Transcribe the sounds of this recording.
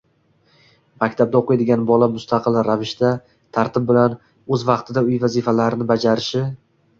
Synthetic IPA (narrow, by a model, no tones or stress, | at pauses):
makʲt̪ʰab̚d̪aoqʰɨjad̪ɪɡʲanbɒlamʊst̪ʰɑqʰɨlˠɾavɪʃt̪a | t̪ʰaɾt̪ʰɪb̚bɪlan | ɵzvɑqt̪ʰɪd̪aʊjvazifalaɾɪnɪbad͡ʒaɾɪʃɪ